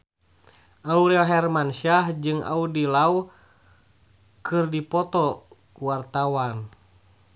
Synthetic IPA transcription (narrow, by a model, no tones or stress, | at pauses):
ʔauɾɛɔɦɛrmanʃahd͡ʒɨŋa̰udilau | kɨrdipɔt̪ɔkuwart̪awan